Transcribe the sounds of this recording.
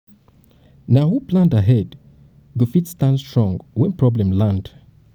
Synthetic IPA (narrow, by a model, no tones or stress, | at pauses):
nahuplãndaɦɛd | ɡofitstãnstɹɔ̃ŋɡwɛ̃npɹɔblɛ̃mlãnd̥